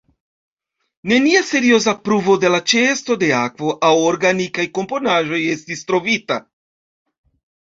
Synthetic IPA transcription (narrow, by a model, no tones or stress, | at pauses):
ne̞niase̞ɾio̞zapɾuvo̞de̞lat͡ʃe̞sto̞de̞akvo̞ʔawoɾɡanikajko̞mpo̞naʒo̞je̞stistɾo̞vita̰